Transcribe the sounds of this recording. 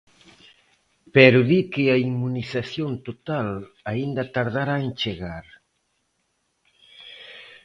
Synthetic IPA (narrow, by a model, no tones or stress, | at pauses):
pɛɾoðikɪaimunisaθjont̪ot̪al | aind̪at̪aɾð̞aɾaent͡ʃeɣaɾ